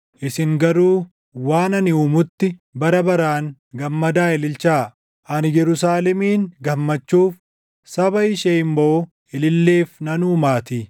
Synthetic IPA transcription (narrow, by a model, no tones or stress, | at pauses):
ʔɪsɪŋɡɐɾuː | waːnɐnɪuːmʊt̪ːɪbɐɾɐbɐɾaːn | ɡɐmːɐd̪aːɪlɪlt͡ʃaː | ʔɐnjɛɾʊsaːlɛmiːŋɡɐmːɐt͡ʃːuːf | sɐbɐɪʃeːɪmboʊ | ɪlɪlːeːfnɐnuːmaːt̪iː